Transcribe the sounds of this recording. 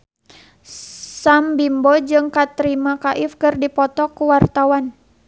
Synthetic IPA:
sambimbɔd͡ʒɨŋkat̪ɾimakaʔifkɨrdipɔt̪ɔkuwart̪awan

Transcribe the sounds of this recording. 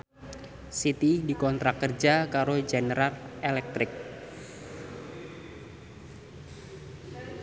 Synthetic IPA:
sit̪idikɔnt̪ɾakərd͡ʒakaɾod͡ʒenəɾalelɛk̚t̪ɾɪk̚

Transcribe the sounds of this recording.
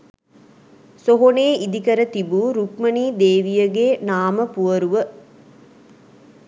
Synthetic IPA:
soɦoneːʔid̪ikɐɾət̪ibuːɾukmɐniːd̪eːʋijɐɡenaːməpuʋɐɾuʋə

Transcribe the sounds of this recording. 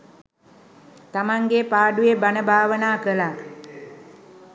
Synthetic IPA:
t̪amaŋɡepaːɖujebanəbʱaːʋənaːkəla

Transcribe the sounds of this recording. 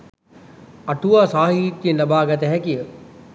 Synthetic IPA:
ɐʈʰuaːsaːɦit̪ːiənɐbʱaːɡɐt̪̬ɛɦɛkijə

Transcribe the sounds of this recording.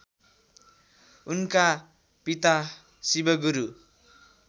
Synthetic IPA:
unka | pit̪a | sibʌɡuɾu

